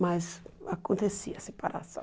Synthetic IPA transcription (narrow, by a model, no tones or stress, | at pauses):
mazakõnt̪esiɐsepaɾa̰sɐ̰̃